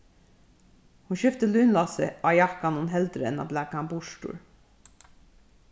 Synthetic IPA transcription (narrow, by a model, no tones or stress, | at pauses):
hunʃʏft̪əlʉːnlɑsəʔɑjɑkɑnʊnɦɛld̪ɾəɛ̰nɑ̰blækɑmbʊʃʈṵːɹ